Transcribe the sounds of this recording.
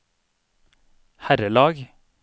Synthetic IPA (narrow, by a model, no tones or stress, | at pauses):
hæɾəlɑːɡ